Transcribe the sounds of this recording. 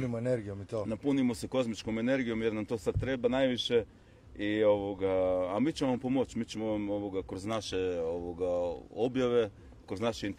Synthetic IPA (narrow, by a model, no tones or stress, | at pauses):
nimoeneɾɡijomit̪onapunimo̞seko̞zmit͡ʃkome̞ne̞ɾɡijo̞mjeɾnamt̪o̞ːsad̪̚t̪ɾe̞ːbanajʋiʃe̞ | io̞ʋoɡaamiːt͡ɕemonampo̞mo̞t͡ʃmiːt͡ɕemonamo̞ʋoɡakɾoznaʃe̞oʋoɡaobjaʋe̞ | kɾoznaʃeint̪